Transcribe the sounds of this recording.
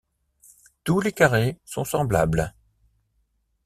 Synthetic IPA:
t̪ulekaʁesɔ̃sɑ̃bla̰bl

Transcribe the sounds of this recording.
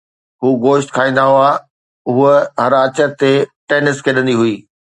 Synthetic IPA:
ɦuːɡoːʃʈkʰaːĩnd̪aɦũaː | uəɦɐɾaːt͡ɕəɾt̪eʈeːnɪskʰeɗə̃nd̪iɦʊiː

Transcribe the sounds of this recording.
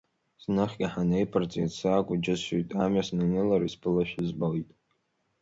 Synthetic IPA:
snɨχʲɡʲiħanejpʰɨrt͡sʼidsaːkʷʼʊd͡ʒɪsʃʷujtʼamɥasnɨnɨlaɾisbɨlaʃᶣɪzbalitʼ

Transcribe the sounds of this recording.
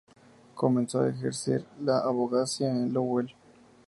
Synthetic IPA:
komẽnsoa̰exḛɾsḛɾlaʔaβoɣasjaenlowel

